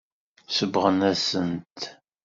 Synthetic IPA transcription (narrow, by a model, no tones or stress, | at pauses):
səbʁənæsənt̪